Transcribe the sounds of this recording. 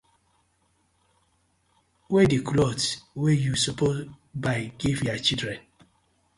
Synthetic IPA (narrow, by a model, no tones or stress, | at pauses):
wediklɔtwejusɔpʰo | baɪɡivjat͡ʃidɾɛ̃n